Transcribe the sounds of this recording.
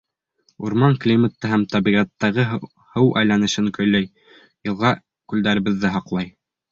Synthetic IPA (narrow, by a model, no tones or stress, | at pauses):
uɾmɑŋklʲimət̪ːɤɦæmt̪ɑbiʁæt̪ːæʁɘ | hɤwʔæ̰jlænɘ̆ʃɘŋkɵ̆jlæj | jɤ̆lˠʁɑ | kʉld̪æɾɘ̆βɘ̆ðːɘɦɑqlˠɑj